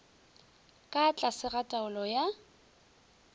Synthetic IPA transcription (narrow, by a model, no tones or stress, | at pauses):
kʼat͡ɬʼasɪratʼaʊlɔja